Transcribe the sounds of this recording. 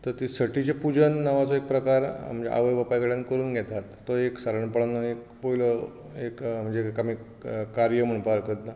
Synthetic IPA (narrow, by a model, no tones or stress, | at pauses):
t̪əɾt̪isəʈit͡ɕepud͡ʑənːaʋat͡soek̚pɾəkaɾm̤əɳd͡zḛʔa̰ʋəjʋəpajɡəɽjãnkəɾuːnɡʱɛt̪at̪ːoeksaɾəɳpəɭanːaek̚ | poilə | ekm̤əɳd͡zekəmi | kaɾjəm̤əɳpaɾkət̪na